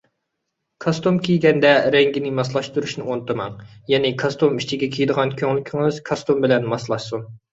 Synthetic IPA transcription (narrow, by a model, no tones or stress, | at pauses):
kʰɑst̪umkʲʰijɡʲɛnd̪ɛɾɛŋɡʲinɪmɑs̬lˠɑʃt̪uɾuʃnɨont̪ʰɨmɑŋjɛnɪkʰɑst̪umit͡ʃʰiɡʲɛkʲʰeijd̪əʁɑnkʲʰøŋlykʲʰiŋɨz̥kʰɑst̪umbɪlɛnmɑslˠɑʃsun